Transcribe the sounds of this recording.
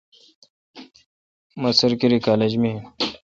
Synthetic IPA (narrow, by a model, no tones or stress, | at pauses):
məsəɾkiɾikaːled͡ʑmĩ